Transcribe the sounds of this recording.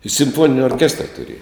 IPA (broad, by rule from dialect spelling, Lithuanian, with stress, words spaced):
ɪ sʲɪmˈfoːnʲɪnʲɪ oːrʲˈkʲæːstrɐ tʊˈrʲeːjɛ